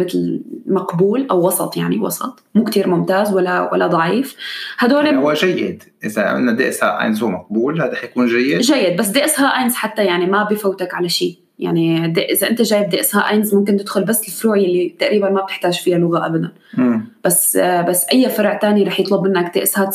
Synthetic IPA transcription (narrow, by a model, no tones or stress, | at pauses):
ɪt̪lmaqbuːlʔawːɑsˤɑt̪ˤjaʕniwɑ̰sˤɑt̪ˤmuːkt̪iːɾmʊmt̪aːzwalːawʔa̰lːad̪ˤɑʕiːfhad̪oːliwaʒajːɪ̰d̪ | ʔɪzaɪ̰nːad̪ḭʔsha̰ʔa̰jnzhumaq̚buːlaɾˤɑːħjakuːnʒajːɪd̪ʒajːɪd̪̚bas̬d̪eːʔshaːʔajnzħat̪ːajaʕnimabifawt̪akʕalaʃiː | ja̰ʕnid̪ʔɪzaʔɪnt̪aʒaːjɪb̚d̪iʔɪshaːʔajnzmʊmk̬ɪnt̪ɪd̪xʊlbasːɪlfʊɾuːʕjalːit̪aʔɾiːbanmab̚t̪ɪħt̪aːʒfihalʊɣaʔabad̪anːb̥asbasːʔajːafɑɾˤʕt̪aːniɾˤɑːħjɨt̪ˤlʊbmɪnːakd̪ḛʔshaːt̪